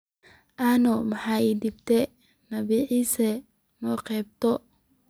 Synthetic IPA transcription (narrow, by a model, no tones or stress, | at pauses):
ʔanɔmɐħaːid̪ɪbt̪ʰɛ | nɐβiːʕiːsɛ | nɔqɛːb̚t̪ɔ